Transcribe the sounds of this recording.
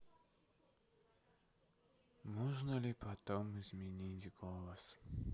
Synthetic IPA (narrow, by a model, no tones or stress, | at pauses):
moʐnəlʲɪpʰɐt̪omɪzmʲɪnʲitʲɡolˠəs